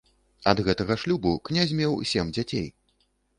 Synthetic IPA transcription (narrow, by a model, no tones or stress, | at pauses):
ɐd̪ɣɛt̪ɐɣɐʂlʲubuknʲazʲmʲɛwsʲɛmd͡zʲat͡sʲej